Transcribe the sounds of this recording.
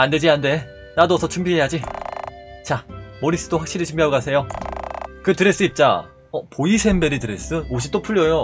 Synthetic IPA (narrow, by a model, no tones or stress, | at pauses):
ande̞d͡ʑiande̞ | nadoʌsʰʌt͡ɕʰumbiɦe̞jad͡ʑi | t͡ɕamoɾis͈ɯdoɸwak̚ɕ͈iɾit͡ɕʰumbiɦaɡokasʰe̞jo | kɯtɯɾes͈ɯip̚t͡ɕ͈a̰ | ʌpoisʰe̞mbe̞ɾitɯɾes͈ɯoɕ̬ʰit͈opʰuʎːʌjo